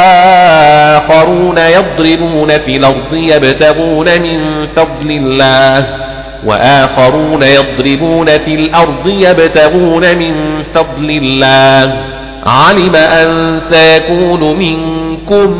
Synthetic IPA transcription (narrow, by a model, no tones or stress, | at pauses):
ʔaː | xɑɾuːnajɑd̪ˤɾɪbuːnafiːlʔɑɾˤd̪ˤɨjabt̪aɣuːnamɪnfɑd̪ˤlɪlːaːh | wa̰ʔaːxɑɾuːnajɑd̪ˤɾɪbuːnafiːlʔɑɾˤd̪ˤɨjabt̪aɣuːnamɪnfɑd̪ˤlɪlːaː | ʕalɪmaʔansajakuːnʊmɪŋkʊm